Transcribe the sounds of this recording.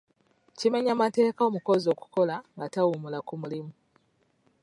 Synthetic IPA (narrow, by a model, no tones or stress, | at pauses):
cimaɲamate̞ːkaomukozoku̥kolaŋɡatawumulakumulimu